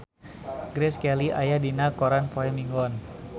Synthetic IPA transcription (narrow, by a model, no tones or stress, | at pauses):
ɡɾɛskɛliʔajadinakɔɾanfɔɛmiŋɡɔn